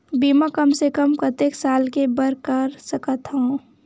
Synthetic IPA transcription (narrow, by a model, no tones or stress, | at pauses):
biːmakəmsekəmpət̪eːksaːlkebəɾkəɾsəkət̪ɦoo